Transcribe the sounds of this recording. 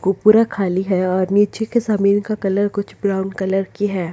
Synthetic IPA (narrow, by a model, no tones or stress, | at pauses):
kopuːɾakʰaːliɦɛɔːɾniːt͡ʃekezaːmiːnkakɐləɾkʊt͡ʃʰbɾaːʊnɖkɐləɾkiɦɛː